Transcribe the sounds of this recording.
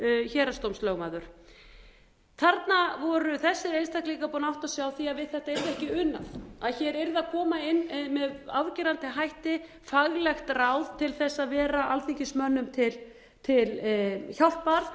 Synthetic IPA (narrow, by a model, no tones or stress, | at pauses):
çɛːɾast̪owmslœːɣmaːðʏɾ̥ | θaɾt̪navɔɾʏθɛsːɪɾejnst̪ʰahkliːkapɔnawht̪asjawθiaðvɪðθɛht̪aeɾðɛhcɪʏnːa̰θaðçɛɾejɾðakʰɔːmaɪnːmɛðavcɪːɾant̪ɪɦajht̪ɪ | faɣlɛxt̪rawð̥t̪ʰɪlθɛsːaðvɛːɾaʔalθiɲcɪsmœnːʏmt̪ʰɪl | t̪ʰɪlçawl̥t̪̚paɾθ